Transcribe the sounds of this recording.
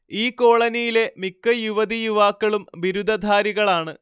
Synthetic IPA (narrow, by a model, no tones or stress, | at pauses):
iːkːo̞ːɭɐnijile̞mikːɨjuʋɐd̪ijuʋaːkːɐɭumbiɾud̪ɐd̪ʱaːɾiɣɐɭaːɳɨ